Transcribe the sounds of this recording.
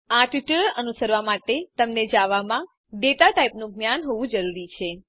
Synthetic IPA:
aʈiʈəɭənusəɾʋamaʈet̪əmned͡ʒaʋamã | ɖet̪aʈaipnũɡnjanɦoʋũd͡ʒəɾuɾit͡ʃʰe

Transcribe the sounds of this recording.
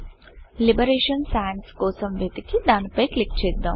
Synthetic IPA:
libɐɾeːʃɐnsajənskoːsɐmʋet̪ikid̪aːnpɐjklik̚t͡ʃeːd̪ːɐ̰m

